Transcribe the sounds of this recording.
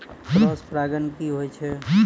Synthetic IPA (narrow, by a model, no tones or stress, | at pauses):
pɾɔːspɾaːɡənkiɦoɛt͡ʃʰe